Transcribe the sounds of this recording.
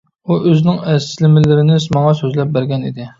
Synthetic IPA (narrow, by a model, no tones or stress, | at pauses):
uʔøznɪŋɛslɪmɪlɪɾɪnɪsmɑŋɑsøzlɛp̚bæɾɡʲɛnḭd̪ɪ